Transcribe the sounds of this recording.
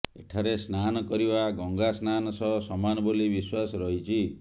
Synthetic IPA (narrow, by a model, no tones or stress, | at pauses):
eʈʰaɾesnanɔkɔɾibaɡɔŋɡasnanɔsɔɦɔsɔmanɔbolibiswasɔɾɔɦit͡ʃʰi